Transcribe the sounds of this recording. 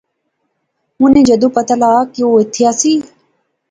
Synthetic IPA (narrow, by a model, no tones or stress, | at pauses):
mʊnẽːd͡ʒəd̪ũːpət̪aːlaːkioːɪt̪ʰːɪjaːsiː